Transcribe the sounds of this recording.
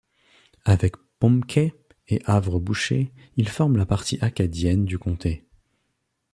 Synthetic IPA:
avɛkpɔ̃mkʲʰɛ | eʔavʁəbuʃe | ilfɔʁmlapaʁt̪ʰiʔakad̪jɛnd̪ykɔ̃t̪ʰe

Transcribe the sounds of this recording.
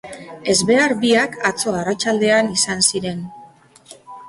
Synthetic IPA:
e̞zβe̞aɾbiakat͡so̞arat͡ʃald̪e̞anisansiɾe̞n

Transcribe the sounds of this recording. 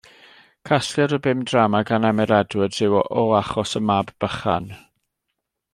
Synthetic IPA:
kʰasjadɔbɪmdramaɡanɛmɛɾɛdwəd̥r̥ɪwɔʔɔaχɔsəmabb̥əχa̰n

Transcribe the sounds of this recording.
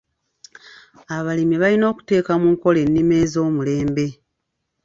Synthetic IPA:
aβalimiβalino̞ːku̥te̞ːkamuŋko̞le̞nːime̞ːzo̞ːmule̞ːmbe̞

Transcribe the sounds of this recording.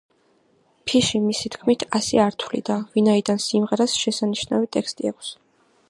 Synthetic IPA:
pʰiʃimisit̪kʰmit̪ʰasɛaɾt̪ʰwlḭd̪avinaid̪ansimʁɛɾasʃɛsaniʃnavit̪ʼɛkst̪ʼiakʷʰs

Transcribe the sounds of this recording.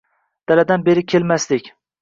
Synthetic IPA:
d̪̥alad̪anbe̞ɾɪkʲʰelmaslɪkʲ

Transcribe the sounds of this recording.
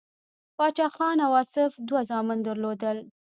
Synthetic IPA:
pɑt͡ʃɑxɑnawɑsɪfd̪wazɑmɪnd̪əɾlod̪əl

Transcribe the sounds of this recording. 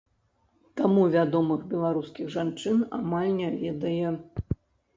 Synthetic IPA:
t̪amuvʲad̪ɔmɨɣbʲɛlˠaɾuskʲiɣʐant͡ʂɨna̰malʲnʲavʲɛd̪ɐjɛ

